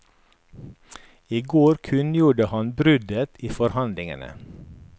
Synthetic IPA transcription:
iːɡoːɾkʰʉnjuːɖəhɑnbɾʉd̪ət̪iːfɔɾhɑnd̪lɪŋə̰nə̰

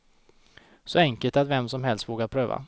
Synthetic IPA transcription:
sɔɛŋkəlt̪at̪vɛmsɔmhɛlst̪voːɡapʰɾøːva̰

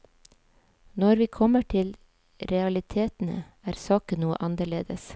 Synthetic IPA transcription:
nɔɾʋiːkʰɔməʈʰɪl | ɾɛɑlɪt̪ʰeːt̪n̩ə̰ | æːɾsɑːkənuːə̰ʔɑnəɭeːd̪əs

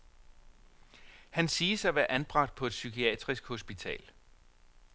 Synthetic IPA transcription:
hænsiːsɑ̈ɪʋæɐʔænb̥ʁɑ̈ɡ̥̚d̥̚pʰɒ̽e̝d̥sykʰiɛ̰ːd̥ʁisɡ̥ho̝sb̥it͡sʰɛ̰ːl

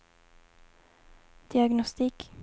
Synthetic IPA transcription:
d̪̥ɪaɡnɔst̪iːk

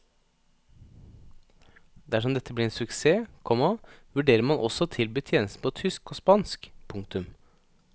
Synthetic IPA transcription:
d̪æʂɔmd̪ɛt̪ʰːəblɪɾeːnsʉkseːkʰɔmɑʋʉɖeːɾəmɑnʔɔ̰sɔːt̪ʰɪlbyːt̪ʰjeːnəst̪n̩pʰot̪ʰʏskoːspɑnskpʰʊŋkt̪ʉm

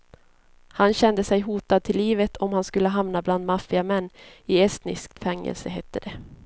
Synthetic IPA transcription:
hanɕɛnd̪əsɛjɦuːt̪ad̪̚t̪ʰɪlːiːvət̪ʰɔmhanskɵlːəɦamnabland̪mafɪamɛnːɪɛst̪nɪ̰sk̚t̪fɛŋːɛ̰lsəɦɛt̪ʰːəd̪ɛ

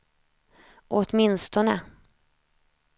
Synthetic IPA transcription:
ʔot̪mɪnst̪ɔnə

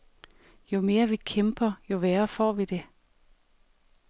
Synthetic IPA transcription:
jo̝me̝ːɐʋikʰemb̥ɐjo̝ʋeːɐfɒ̰ːʋid̥e̝

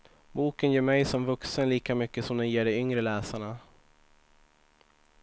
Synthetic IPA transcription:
buːkənjeːɾmɛjsɔmvɵksənliːkamʏkːəsɔmd̪ɛjeːɖɛʏŋɾəlɛːsaɳa

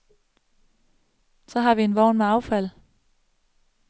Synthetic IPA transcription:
sɒ̽ɦɑ̈ʋienʋɒʊ̰nmeɑ̈ʊfæl̰

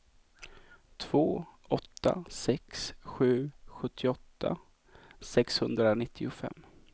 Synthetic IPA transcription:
t̪ʰv̥oː | ɔt̪ʰːa̰sɛksɧʉ̟ːɧɵt̪ʰːɪɔt̪ʰːa̰ | sɛkshɵnd̪ɾanɪt̪ʰːɪʊfɛ̰mː

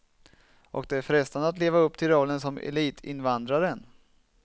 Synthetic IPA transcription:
ʔɔ̰k̚d̪ɛæɾfɾɛst̪and̪əat̪leːvaɵpːt̪ʰɪlɾɔlːənsɔmɛ̰liːt̪ʰɪ̰nvand̪ɾaɾən

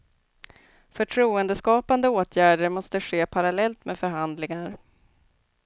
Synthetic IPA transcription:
fœʈʰɾuːənd̪əskɑːpand̪əoːt̪ʰjæːɖəɾmɔst̪əɧeːpʰaɾalɛlt̪meːfœɾɦand̪lɪŋaɾ

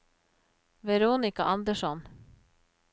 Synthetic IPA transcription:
vɛɾoːnɪkaʔɑnd̪əʂɔn

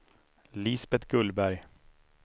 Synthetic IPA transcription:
liːsbɛt̪ɡɵlːbæɾj

